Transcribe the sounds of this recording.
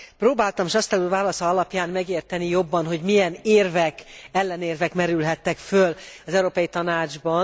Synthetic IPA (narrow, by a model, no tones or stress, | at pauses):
proːbaːlt̪ɒmeːʃɒst̪ɛluːvaːlɒsɒɒlɒpjaːmmɛɡeːrt̪ɛnijo̞bːɒnɦo̞ɟmijɛneːrvɛkɛlːɛneːrvɛkmɛɾylɦɛt̪ːɛkfølɒzɛuɾoːpɒjit̪ɒnaːd͡ʒbɒ